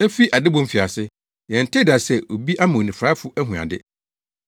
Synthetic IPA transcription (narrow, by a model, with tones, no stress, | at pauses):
ɛ˦fi˦ʔa˨dɪ˦bɔ̃˦m̩˦fi˨a˨sɪ˦ | jɛ̃˨n̩˨tʰɪ˦da˨sɛ˨ʔo˨bi˦ʔa˦mã˨o˨nĩ˨fɾa˦fʊ˦ʔæ˦ɦũ˨a̰˨dɪ̰˦